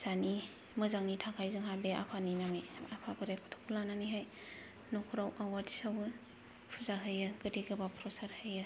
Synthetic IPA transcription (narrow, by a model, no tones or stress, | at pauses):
z̥ani | mɯzaŋnitʰakʰajzɯŋɦabea̰pʰaninameapʰaɡɯɾekʰu̥tʰɔ̥kʰulananiɦaj | nɔkʰuɾawʔawaɾdi̥sawɯ | pʰuzaɦɯjɯɡɯdiɡɯbapʰɾɔsaɾhɯjɯ